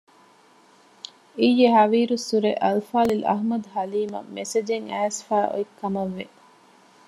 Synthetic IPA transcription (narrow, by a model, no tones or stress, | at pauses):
ijːeɦɐʋiːɾusːuɾeʔɐlfaːlilɐ̰ɦmɐd̪uɦɐliːmɐ̰mesed͡ʒeŋæːsfæːʔo̰ikʰːɐmɐʋːe